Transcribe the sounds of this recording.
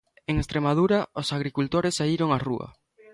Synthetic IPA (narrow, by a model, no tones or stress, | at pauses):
eŋest̪ɾemaðuɾɐosaɣ̞ɾikult̪oɾɪsːaiɾoŋaruɐ̰